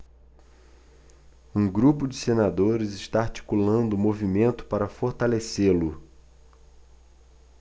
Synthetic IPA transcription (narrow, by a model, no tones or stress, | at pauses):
ũɡɾupʊd͡ʒɪsenad̪oɾɪzɪʃt̪aaɾt͡ʃi̥kulɐ̃nd̪ʊmovimẽnt̪ʊ̥paɾɐfoɾt̪aleselʊ